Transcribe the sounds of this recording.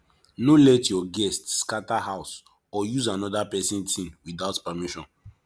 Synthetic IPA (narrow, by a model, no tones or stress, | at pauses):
nolɛtjɔɡɛstːkatahaʊs | ɔjuzanɔdapɛsĩntʰĩmwiðaʊtpɛmiʃɔ̃n